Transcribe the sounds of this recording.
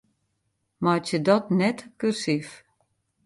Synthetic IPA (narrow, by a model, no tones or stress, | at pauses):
matjədɔtnɛtkyrsif